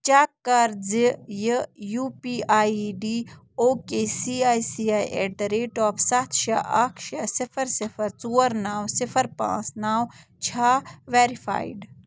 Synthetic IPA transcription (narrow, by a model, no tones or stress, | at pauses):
t͡ʃaːkːɐɾzjəjuːpiːaːɖiː | oːkeːsiːaːjsiaːjḛːɐɾeːʈɔːfsɐt̪ʰʃɐʔɐkʰʃɐsɪfʰɐɾsɪfɐɾt͡suːəɾnaːwsɪfʰəɾpã̰ːt͡snaːw | t͡ʃʰaːʋeːɾifʰa̰ːiɖ